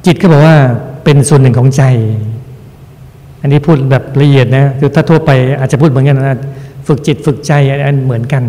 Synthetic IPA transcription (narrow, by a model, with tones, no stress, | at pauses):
t͡ɕi˨˩kʰɔː˥˩bɔː˨˩k̚waː˥˩pe˧nsu˨˩ənːɯ˨˩ŋkʰɔː˩˦ŋt͡ɕa˧j | ʔa˧nːiː˦˥˩pʰuː˥˩t̪̚bɛː˨˩p̚la˧ʔi˨˩ət̪̚na˦˥kʰɯː˧t̪ʰaː˥˩t̪ʰu˥˩ɐpa˧jʔaː˨˩t͡ɕa˨˩pʰuː˥˩t̪mɯ˩˦ə˦nka˧na˧˩aː˧˩fɯ˨˩k̚t͡ɕi˨˩t̪̚fɯ˨˩k̚t͡ɕa˧jʔa˧n˥mɯ˩˦ənka˧n